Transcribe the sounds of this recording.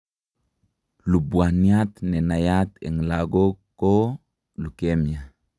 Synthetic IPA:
lubwanjat̪nenajat̪ḛŋlaɡokːo | lukemia

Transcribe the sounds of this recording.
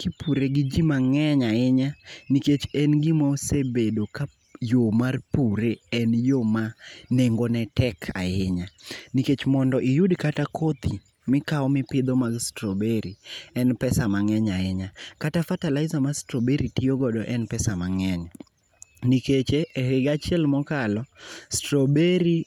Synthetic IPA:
kipuɾeɡɪd͡ʒimaŋɛɲaɪɲaniket͡ʃɛnɡɪmɔsebedoka | jomarpuɾeɛnjomaneŋɡɔnɛtɛkʰa̰ɪɲaniket͡ʃmɔndɔʔijudkatakʰot̪ʰi | mɪkaɔmɪpɪd̪ɔmaɡstɾobeɾiɛnpɛsamaŋɛɲaɪɲakatafatalaɪzamastɾobeɾitijoɡɔdɔʔɛnpɛsamaŋɛɲ | niket͡ʃehɪɡat͡ʃjɛlmɔkalɔstɾobeɾi

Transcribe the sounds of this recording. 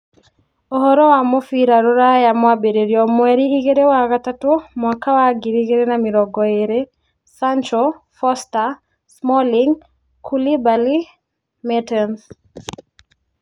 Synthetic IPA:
ɔɦɔɾɔwamɔfiɾaɾɔɾajamwabeɾeɾjɔmwɛɾiːkeɾewakatatomwakawaɡiɾikeɾenamiɾɔɡɔeɾe | sant͡ʃɔ | fɔsta | smɔliŋ | kʰulibali | mɛtɛns

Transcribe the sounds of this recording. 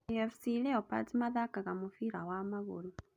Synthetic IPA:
jafisilɛopa̰timaðakaɣamufiɾawamaβṵlu

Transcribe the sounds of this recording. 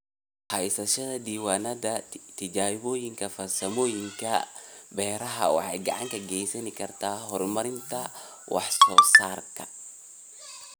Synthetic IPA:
hɐjsɐʃɐðɐd̪iːwaːnɐdɐt̪ʰɪd͡ʒaːɪboːjɪŋkʰɐfɐrsɐmoːjɪŋkʰɐbɛːɾɐɦɐ̰wɑ̰ħɑ̰jɡɐ̰ʕa̰ŋkɐɡɛjsɐnɪkʰɐrt̪ʰaːɦɔrmɐɾɪnt̪ʰɐ | wʔɑ̰ħsɔːsaːrkʰɐ̥̰

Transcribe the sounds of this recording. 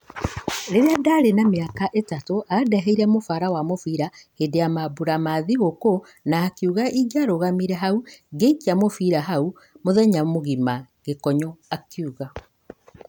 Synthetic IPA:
ɾeɾeadaɾenameakaʔetatoʔadɛɦeiɾɛmofaɾawamofiːɾahedejamabuɾamaðiɣoko | naːkiuɣaʔiɡaɾoɣamiɾɛɦauɡeikiamofiɾaɦau | moðɛɲamoɣima | ɣekɔɲɔakiuɣa

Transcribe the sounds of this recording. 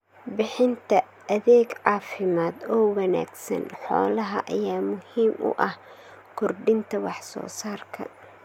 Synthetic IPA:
bɪħɪnt̪ʰɐ | ʔɐðɛːɡʕɑːfɪmaːd̪ɔːwɐna̰ːɡsɐ̰nħɔ̰ːlɐɦɐʔɐjaːmʊhiːmʔʊ̰ʔɐh | kʰʊrɖɪnt̪ʰɐwɑħsɔ̰ːsaːrkʰɐ̰

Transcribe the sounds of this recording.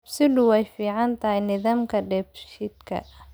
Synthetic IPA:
bsɪdʊwɛjfiːʕɑnt̪ʰɐɦɛjnɪðaːmkʰɐɖɛbʃɪd̪kʰɐ̰

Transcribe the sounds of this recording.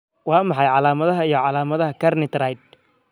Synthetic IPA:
wɑːmɑħɑjʕɑlaːmɐðɐɦɐijɞʕɑlaːmɐðɐɦɐkʰɐrnɪt̪rajd̪̚

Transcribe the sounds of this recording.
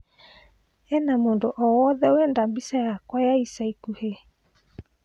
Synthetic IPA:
ɛnamondoʔɔwɔðɛoɛndambisajakwajaisaikuhe

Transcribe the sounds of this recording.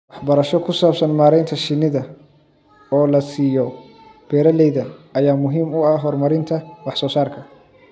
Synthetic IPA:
wɑħbɐɾɐʃɔkʰʊsaːbsɐnmaːɾɛjnt̪ʰɐʃɪnɪðɐ | ɔːlɐsiːjɔ | b̥ɛːɾɐlɛjðɐɐjaːmʊɦiːmʊɐɦɔrmɐɾɪnt̪ʰɐwɑħsɔːsaːrkʰɐ

